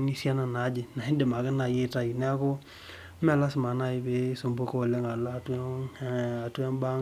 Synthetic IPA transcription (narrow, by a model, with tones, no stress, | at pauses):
ni˦sja˦na˨na˨˦d͡ʒɪ˨na˨ɪ˦nde˨ma˨kɪ˦na˨je˦ta˦i˨nɛ˦a˦ko˦ | mɛ˦˨la˦sma˨na˦˨ɪ˨˦be˨˦so˨mbo˦ko˦˨le˦ŋa˨la˦˨t | a˨twa˦nba˦